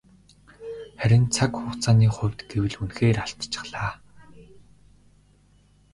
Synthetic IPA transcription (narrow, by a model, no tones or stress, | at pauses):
χæɾʲɪ̆nt͡sʰakχʊːχt͡sʰaːniːχʊ̟wʲt̪ɡ̥ewɘ̆ɮunxeːraɬt̪t͡ɕɪ̥̆χɮaː